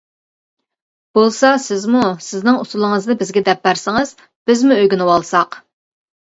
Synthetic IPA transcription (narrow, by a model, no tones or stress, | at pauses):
b̥olˠsɑsɪzmusɪznɪŋusulˠɨŋəzd̪nɨbɪzɡʲɛd̪ɛpːæɾsɪŋɨz̥ | b̥ɪzmuøjɡʲunɨwɑlˠsɑq